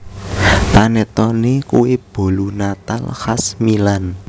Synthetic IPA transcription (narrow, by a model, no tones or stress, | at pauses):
panɛt̪ɔnekuwib̥o̤lunat̪a̰lhasmilan